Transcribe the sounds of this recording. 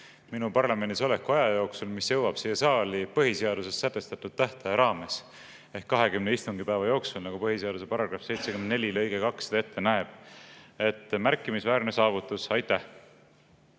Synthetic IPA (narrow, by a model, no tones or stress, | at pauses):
minupɑrlɑme̞nːiso̞lekːɑjɑjo̞ːksulmisjɤ̞wɑb̥siːjesɑːlipɤɦise̞ɑd̪̥use̞sːæt̪ːˑe̞st̪ɑt̪ːˑud̪̥̚t̪æht̪ɑjɑɾɑːme̞s | ehkːɑɦe̞kymneist̪uŋɡipæevɑjo̞ːksulnɑɡupɤɦiseɑd̪use̞pɑɾɑɡ̥rɑfse̞jt̪sekymne̞lʲilɤjɡekɑksed̪ɑet̪ːe̞næeb̥̚e̞t̪ːˑmærkːˑimisvæːɾne̞sɑːvut̪ːˑusɑjt̪ːˑæh